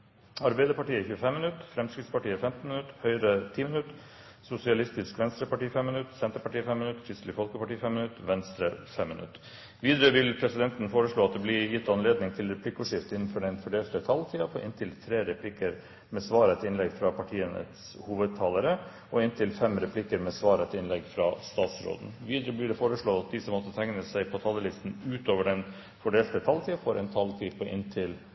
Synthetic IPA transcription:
ɑɾbæɪd̪əɾpɑʈiːəçʉːəfɛmːɪnʉt̪fɾɛmskɾɪt̪spɑʈiːəfɛmt̪n̩mɪnʉt̪ːhœʏɾət̪ʰiːmənʉt̪ | sʊsɪɑlɪst̪ɪskʋɛnst̪ɾəpɑʈiːfɛmːənʉt̪ːsɛnt̪əɾpɑʈiːəfɛmːɪnʉt̪ːçʏslɪfɔlkəpɑʈiːfɛmːənʉt̪ːʋɛnst̪ɾəfɛmːɪnʉ̰t̪ː | ʋiːd̪ɾøːʋɪlpʰɾɛsɪd̪ɛnt̪nfoːɾəʂɭoːɑt̪̚d̪ɛblɪjɪt̪ːɑnleːd̪nɪŋt̪ʰɪlɾɛpʰlɪkːʊʂɪft̪ɪnːnfɔɖɛnfɔɖeːlt̪ət̪ʰɑlt̪ʰiːɑpʰɔʔɪ̰nt̪ʰɪlt̪ʰɾeːɾɛpʰlɪkəɾ | mɛsʋɑːɾɛt̪ɪnlɛɡfɾɑpʰɑʈʰiːənə̰s | huːʋəd̪̚t̪ʰɑːləɾə | ɔɪnt̪ʰɪlfɛmɾɛpʰlɪkəɾmɛsʋɑːɾɛt̪ɪnlɛɡfɾɑst̪ɑːt̪sɾo̰ːd̪n̩ʋiːd̪ɾəblɪɖɛfoːɾəʂɭoːɑt̪̚d̪ɪsɔmːɔt̪ːət̪ʰæŋnəsæɪpʰɔt̪ʰɑlːəlɪst̪n̩ʉːt̪oːʋəɖɛn | fɔɖeːlt̪ət̪ʰɑlt̪iːɑfɔɾʔɛnt̪ʰɑlt̪ʰiːpʰɔʔɪ̰nt̪ʰɪl

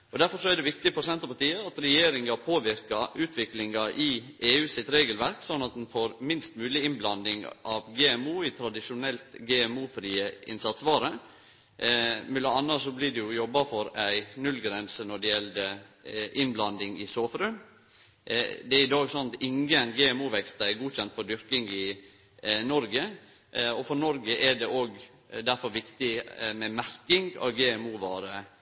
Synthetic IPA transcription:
ɔd̪æɾfɔɾʂɔæɖɛʋɪkt̪ɪfɔɾsɛnt̪ɾəpɑʈiːəɑt̪ɾɛjeːɾɪŋɑpʰoːʋɪɾkɑʔʉːt̪ʰʋɪklɪŋɑʔɪeːʉːsɪt̪ɾeːɡəlʋæɾksɔnːɑt̪̚d̪ɛnfoːɾmɪnst̪mʉːlɪɪnblɑnd̪ɪŋʔɑʋɡeːɛmuːɪt̪ʰɾɑd̪ɪʂʊnɛlt̪ɡɛːɛmuːfɾiːəɪ̰nsɑt̪sʋɑːɾə | mɛlɔɑnːɑsɔblɪdɛjʊjɔbːɑfɔɾæɪnʉlɡɾɛnsənɔɖɛjɛld̪əʔɪnblɑnd̪ɪŋɪsoːfɾʉm | d̪ɛæɾɪd̪ɑːɡsɔnɑt̪ɪŋənɡɛːɛmuːʋɛkst̪ɑɛɡuːçɛnt̪fɔd̪ʏɾkɪŋɪ | nɔɾɡə | ɔfɔɾnɔɾɡəʔɛɖɛʔoːɡ | d̪æɾfɔɾʋɪkt̪ɪmɛmæɾkɪŋɡɑ̰ʋɡɛːɛmuːʋɑːɾə

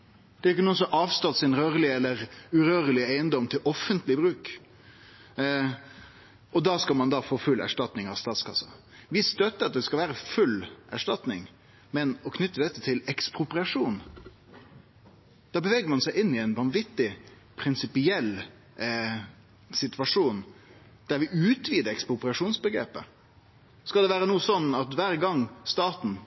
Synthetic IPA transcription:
d̪̥ɛæɾɪkːənuːənsɔmʔɑːʋst̪ɑt̪sɪnɾøːɾəlɪɛlːəɾʉɾøːɾəlɪeɪənd̪ɔmt̪ʰɪlʔɔfːənt̪lɪbɾʉːk | ʔɔd̪ɑːskɑlmɑnd̪ɑfoːfʉlːæ̰ʂʈɑt̪nɪŋɑʋst̪ɑːt̪skʰɑsɑ | ʋɪst̪œt̪ːəɾɑt̪̚d̪ɛskɑlʋæːɾəfʉlːʔæʂʈɑt̪nɪŋ | mɛnɔkʰnʏt̪ːəd̪ɛt̪ːət̪ʰɪlɛkspɾʊpɾɪɑʂuːn | d̪̥ɑːbəʋɛːɡəɾmɑnsæɪʔɪnːɪɛɪnʋɑnʋɪt̪ːɪ | pʰɾɪnsɪpɪɛlː | sɪt̪ʋɑʂuːn | d̪̥æɾʋɪʔʉːt̪ʰʋiːd̪əɛkspɾʊpɾɪɑʂuːnsbəɡɾḛːpə | skɑlɛʋæːɾənuːsɔnːɑt̪ʋæːɾɡɑŋːst̪ɑːt̪n̩

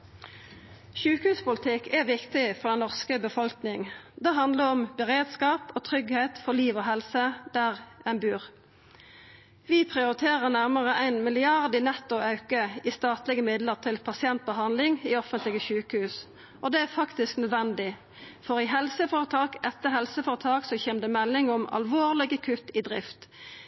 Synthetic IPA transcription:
ʃʉːkəhʉːspʊlɪt̪ʰɪkːʰɛʋɪkt̪ɪfɔʁd̪ɛnnɔʁskəbəfɔlknɪŋd̪ɛɦɑnd̪ləʁɔmbəʁeːd̪skɑːpoːt̪ʰʁʏɡheɪt̪fɔliːʋoɦɛlsəd̪̥æʁænbʉːʁ | ʋipʰʁɪʊʁɪt̪ʰeːʁəʁnæʁməʁəʔæɪnmɪlɪɑʁd̪ɪnɛt̪ːʊɑʉkəist̪ɑːt̪lɪɡəmɪd̪ləʁt̪ʰɪlpʰɑsɪɛnt̪̚bəɦɑnd̪lɪŋiːɔfənt̪lɪɡəʃʉːkəhʉːs | ʔɔd̪ɛːæfɑkt̪ɪsknœd̪ʋɛnd̪ɪ | fɔʁɪɦɛlsəfoːʁət̪ʰɑːkɛt̪ːəɦɛlsəfoːʁət̪ʰɑːksɔçeːʁmd̪ɛmɛlːɪŋɔmɑ̰lʋoːʁlɪɡəkʰʉt̪ːid̪ʁɪft̪

